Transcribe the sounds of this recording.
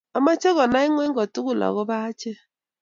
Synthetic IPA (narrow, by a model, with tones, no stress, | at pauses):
a˨ma˦t͡ʃɛ˦ɣɔ˨na˦i˦ŋwɛ˦ŋ˦ɡɔ˨tu˦ɣu˨la̰˨ɣɔ˦ba˦t͡ʃɛ˦